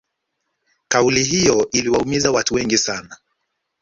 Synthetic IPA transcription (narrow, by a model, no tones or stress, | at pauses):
kauliɦijɔʔiliwaumizawatuwɛŋɡisana